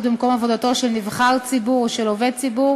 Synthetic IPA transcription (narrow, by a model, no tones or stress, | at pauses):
t̪̚bimko̞mavod̪at̪o̞ʃelnivχalt͡sibuʁʃeloved̚t͡sibu